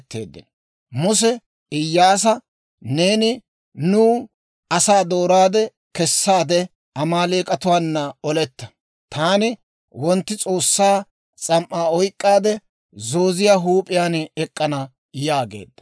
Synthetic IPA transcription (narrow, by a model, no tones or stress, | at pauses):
t̪ːḛːd̪ːɪ̰n | mʊs̬ɛ | ʔɪjːaːs̬ɐ | ne̞ːnɪ | nʊː | ɐsaːd̪o̞ːɾaːd̪ɛ | kɛsːaːd̪ɛ | ɐmaːleːkʼɐt̪ʊwaːnːɐɔlɛt̪ːɐ̥ | t̪ʰaːnɪ | wɔnt̪ːɪt͡sʼo̞ːsːaː | t͡sʼɐmʔaːɔjkʼːaːd̪ɛ | zo̞ːzɪjaːɦuːpʼɪjaːnɛkʼːɐnɐ | jaːɡḛːd̪ːɐ̥